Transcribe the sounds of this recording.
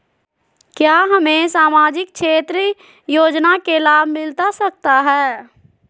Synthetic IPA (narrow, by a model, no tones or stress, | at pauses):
kjaːɦɐmẽsaːmaːd͡ʒɪkʃeːt̪ɾə | joːd͡ʒnakelaːbʱmɪlt̪asɐk̚t̪aɦɛː